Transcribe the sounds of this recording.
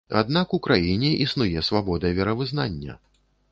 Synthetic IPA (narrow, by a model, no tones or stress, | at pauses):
a̰d̪̚nakukɾajinʲɛʔisnujɛsvabɔd̪ɐvʲɛɾɐvɨznanʲːɐ̰